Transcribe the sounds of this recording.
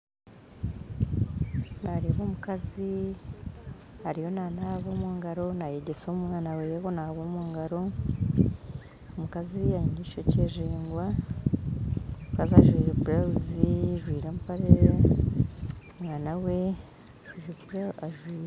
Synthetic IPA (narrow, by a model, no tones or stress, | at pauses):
naɾiβomukazi | haɾijo̞nanaβomuːŋɡaɾo̞najeɟe̞somŋaːnawejeβo̞naβomuːŋɡaɾo̞ | omukazijaiɲiʃoceːʒiːŋɡwa | mukaziaʒwiːɾebɾawziʒwiːɾempaɾeɾe | omŋaːnawe̞ | ʒibɾaaʒwiːɾe